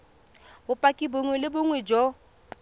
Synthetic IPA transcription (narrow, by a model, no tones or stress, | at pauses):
bʊpʼakʼibʊŋwɛlɪbʊŋwɛd͡ʒɔ